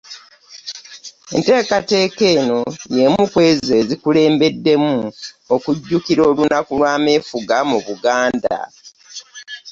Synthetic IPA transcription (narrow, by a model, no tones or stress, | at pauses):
e̞̰nte̞ːkate̞ːke̞ːno̞je̞mukwe̞ːze̞zikule̞ːmbe̞dːe̞mu | okuɟːukiɾo̞ːlunakulwaːmeːfuɡamuβuɡaːnda̰